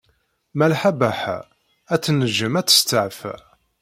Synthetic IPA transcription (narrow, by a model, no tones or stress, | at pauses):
mælħabæħ | æt͡sːnəʒəmæt͡sːə̥st̪əʕf